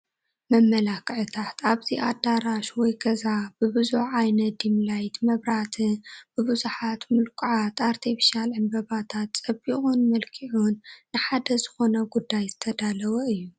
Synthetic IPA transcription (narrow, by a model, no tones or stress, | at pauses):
mɐmːɐlakʰʼʕɨt̪ʰat̪ʰaβziʔad̪aɾaʃwɔjɡɐzabɨbɨzuħajnɐt̚d̪imlajt̪mɐβɾat̪ʰɨb̥ɨβɨzuħat̪mɨlkʼuʕat̪aɾt̪ʰifiʃalʕɨmbɐβat̪ʰat̪t͡sʼɐbiχʼunmɐlkʰiʕunːɨħad̪ɐzɨxo̞nɐɡud̪ːajzɨt̪ʰɐd̪alɐwɐɨjːu